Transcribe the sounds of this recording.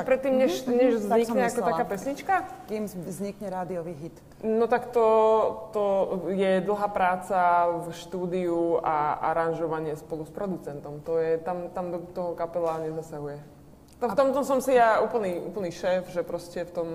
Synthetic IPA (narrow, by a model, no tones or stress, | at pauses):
pɾɛt̪ːiːmɲɛʃɲɛʒzɲikɲɛakɔt̪akaːpɛsɲit͡ʃkakimzɲikɲɛɾaːd̪iɔʋiɦit̪ | nɔt̪akt̪ɔt̪ɔjɛd̪l̩ɦaːpɾaːt͡safʃt̪uːd̪iuaa̰ɾanʒɔʋaɲɪɛspɔluspɾɔd̪ut͡sɛnt̪ɔmt̪ɔjɛt̪amt̪amd̪ɔt̪ɔɦɔkapɛlaɲɛzasaɦujɛ | t̪ft̪ɔmt̪ɔmsɔmsijauːpl̩niʔṵːpl̩niʃɛːfʒɛpɾɔscɛft̪ɔm